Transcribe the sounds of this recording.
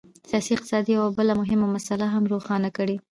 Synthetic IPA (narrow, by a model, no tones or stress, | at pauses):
sijɑsiɪq̚t̪ɪ̥sɑd̪ijawabəlamʊɦɪmamasalaɦamɾoxɑnakəɽi